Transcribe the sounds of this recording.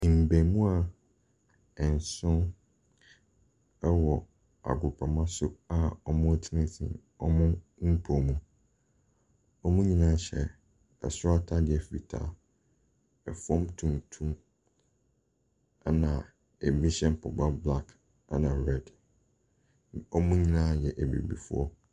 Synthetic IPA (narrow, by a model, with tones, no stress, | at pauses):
m̩˨bẽ˨˦mũ˦a˦˨ | ɛ˨n˨sʊ̃˦n | ɛ˦wɔ˨ | a̰˨ɡʊ˨pʰa˨mã˦sʊ˦a˨ɔ˦mʊ̃˦ɔ˦tʰi˦nĩ˦tʰḭ̃˨ | ɔ˦mʊ̃˦m̩˦pʰo˨mũ˦ | ɔ˦mũ˦ɲĩ˦nã˦ɕɛ̰˨ | ɛ̰˨sʊ˦a˦tʰa˦dɪ˨ɛ˨fḭ˨tʰa̰˨ | ɛ˨fɔ̃˦mtʰũ˨n˨tʰũ˦ | a˦nã˨ | e˨bi˦ɕɛ̃˦m˦pʰɔ˨ba˦bla˦k | a˦nã˨ɾɛ˦d | ɔ˦mʊ̃˦ɲĩ˦nã˦˨jɛ˨ʔe˨bḭ˨bḭ˨fʊ˦ɔ̰˦